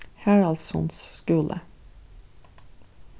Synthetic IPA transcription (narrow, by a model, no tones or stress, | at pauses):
hæɹɑlsɔ̰nskʉːlʔə̰